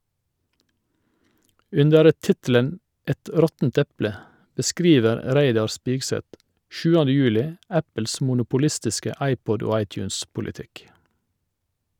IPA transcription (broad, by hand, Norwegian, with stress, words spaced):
ˈʉndəɾ ə ˈtɪtl̩ən ˈɛt ˈɾɔtn̩t ˈɛplə bəˈskɾiːʋəɾ ə ˈɾæɪdɑɾ ˈspiːɡsɛt ˈʃʉːəndə ˈjʉːlɪ ˈæpəls mʊnʊpʊˈlɪstɪskə ˈɑɪˌpɔd ˈoː ˈɑɪˌtjʉːnspʊlɪˌtɪk